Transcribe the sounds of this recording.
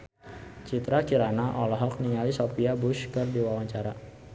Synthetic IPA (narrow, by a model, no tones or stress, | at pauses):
t͡ʃit̪ɾakiɾanaʔɔlɔɦɔk̚niŋalisɔpiabuʃkɨrdiwawaɲt͡ʃaɾa